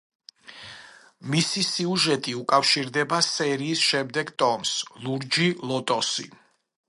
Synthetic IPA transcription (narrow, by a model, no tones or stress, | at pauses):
misisiuʒɛt̪ʼiukʼafʃiɾd̪ɛbasɛɾiːsʃɛmd̪ɛɡt̪ʼɔmslˠuɾd͡ʒilˠɔt̪ʼɔsḭ